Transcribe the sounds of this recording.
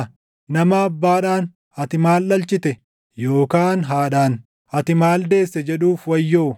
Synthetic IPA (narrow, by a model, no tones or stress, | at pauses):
nɐmɐːbːaːᶑaːn | ɐt̪ɪmaːlːɐlt͡ʃɪt̪ɛ | joːkaːnɦaːᶑaːn | ɐt̪ɪmaːld̪e̞ːsːɛd͡ʒɛᶑuːfwɐjːo̞ː